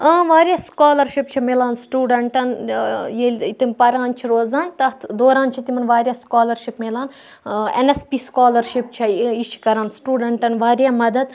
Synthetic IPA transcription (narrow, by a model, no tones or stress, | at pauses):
ɐ̃ːʋaːɾʲjaːskaːlɐɾʃipt͡ʃʰimeːlaːnsʈuːɖɐɳʈɐnjelʲit̪ɐmʲpɐɾãːnt͡ʃʰiɾoːzaːnt̪ɐt̪ʰd̪oːɾaːnt͡ʃʰit̪imɐnʋaːɾʲjaːskaːlɐɾʃipmʲeːlaːn | ḛnespiskaːlɐɾʃip̚t͡ʃʰɐiʃʰi̥kɐɾaːnsʈuːɖɐɳʈɐnʋaːɾʲjaːmɐd̪ɐd̪